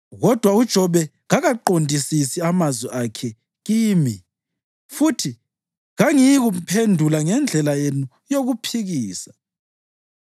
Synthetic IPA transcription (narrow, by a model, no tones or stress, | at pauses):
ɣɔd̥ʱwaud̥ʒ̥ʱɔβɛ | ɣaɣaǃondʱisisiamazwɛʔakʰɛ | ɣiːmi | futʰi | ɣaŋijiɣumpʰendʱulaŋɛnd͡ɮʱɛlajenu | joɣupʰiɣiːsḁ